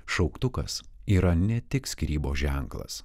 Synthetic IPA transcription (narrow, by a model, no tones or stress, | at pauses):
ʃɒʊkt̪ʊkɐ̰siːɾɐnʲɛt̪ʲɪksʲkɾʲiːboːʒʲɛŋklˠɐ̰s